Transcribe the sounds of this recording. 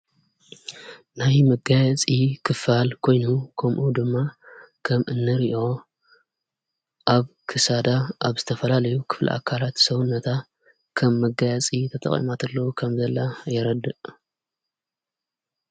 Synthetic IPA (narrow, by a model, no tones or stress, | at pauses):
najmɐɡajɐt͡sʼikʰɨfalkʰo̞jnukʰɐmʔud̪ɨmːa | kʰɐmʔɨnːɨɾiʔo̞ | ʔaβkʰɨsad̪aʔaβzɨt̪ʰɐfɐlalɐjukʰɨ̥flɨ̰ʔa̰kʰːalat̪sɐwunːɐt̪ʰa | kʰɐmːɐɡajɛt͡sʼit̪ʰɐt̪ʼɐ̰χʼḭmat̪ʰɐlːokʰɐmzɐlːajɛɾɐd̪ɨʔ